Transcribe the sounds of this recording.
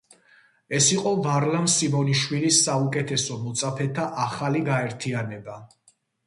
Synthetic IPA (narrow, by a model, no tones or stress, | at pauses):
ɛsiqʼɔvaɾlamsivɔniʃwilisːaukʼɛt̪ʰɛsɔmɔt̪sʼapʰɛt̪ʰaʔaχaliɡaɛɾt̪ʰianɛba